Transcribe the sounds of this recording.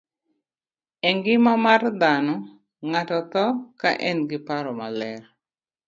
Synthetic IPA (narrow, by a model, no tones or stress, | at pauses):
ɛŋɡɪmamard̪anɔ | ŋatɔt̪ɔka̰ʔɛnɡɪpaɾɔmalɛr